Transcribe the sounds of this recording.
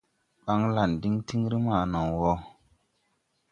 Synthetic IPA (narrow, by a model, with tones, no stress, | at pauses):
ɓa˦ŋla˨ndi˦ŋti˦ŋɾi˦ma˨no˨ŋwɔ˦